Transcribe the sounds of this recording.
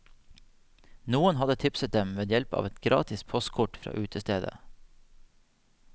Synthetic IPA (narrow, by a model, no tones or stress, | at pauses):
nuːənhɑd̪ət̪ʰɪpsət̪̚d̪ɛmʋeːd̪jɛlpɑ̰ːʋɛt̪ɡɾɑ̰ːt̪ɪspʰɔst̪kʰʊʈfɾɑ̰ːʔʉːt̪ʰəst̪eːd̪ə̰